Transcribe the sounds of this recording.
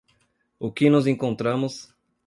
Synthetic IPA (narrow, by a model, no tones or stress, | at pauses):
ʊkɪnʊzẽŋkõnt̪ɾɐ̃mʊs